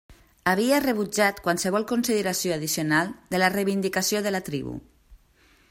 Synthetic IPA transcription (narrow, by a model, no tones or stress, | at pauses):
aβ̞iareβ̞ud͡ʒat̪kwalˠsəβ̞ɔlˠkunsiðeɾasijoaðisionalˠd̪ələrejβind̪ikasioðəlat̪ɾḭβṵ